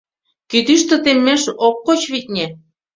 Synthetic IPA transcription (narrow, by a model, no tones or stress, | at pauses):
kyd̪yʃt̪ĕt̪emːeʃokːot͡ɕβit̪̚ʲnʲe